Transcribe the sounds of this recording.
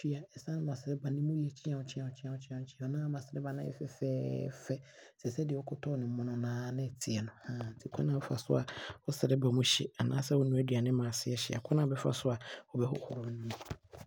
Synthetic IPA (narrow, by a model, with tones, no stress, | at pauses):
fi˦a˨ɛ˨sã˦n˦mã˨sɪ˨ɾɛ˦ba˨nɪ̃˦mũ˦li˦ɛ˨t͡ɕʰĩ˦ã˨wʊ̃˦t͡ɕʰi˦ã˨ʊ̃˨˦t͡ɕʰĩ˦ã˨˦t͡ɕʰĩ˦ã˨ʊ̃˦t͡ɕʰi˦a˨a˨nãː˦mã˨sɪ˨ɾɛ˦ba˨nã̰˦ɛ̰˦fɛ̰˨fɛː˦fɛ˦ | sɛ˨sɛ˦dɪ˨wɔ˦kʰʊ˦tʰɔ˦nɪ̃˨m̩˦mʊ̃˨nʊ̃˦nãː˦nɪ̃˦˨tʰi˨ɛ˨nʊ̃˨ã˦˨tʰi˦kʰa˦nã˨wɔ˦fa˨sʊ˦a˨ɔ˦sɪ˨ɾɛ˦ba˨mũ˦ɕɪ̰˨a˨nãː˦sɛ˦wɔ˦nũ˦æ˦dɥa˨nɪ̃˦mãː˨sɪ˦ɛ˦ɕɪ˨a˨kʰɔ˦nã˦˨bɛ˦fa̰˦sʊ˦a˨ɔ˦bɛ˦hʊ̰˦hʊ˨ɾʊ˨m˦nĩ˦mũ˦